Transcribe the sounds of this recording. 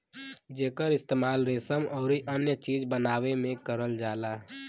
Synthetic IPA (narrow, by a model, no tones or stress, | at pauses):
d͡ʒeːkəɾɪst̪eːmaːlɾeːsəmɔːɾiʔənjət͡ʃiːd͡ʒbənaːwemẽkəɾəld͡ʒaːlaː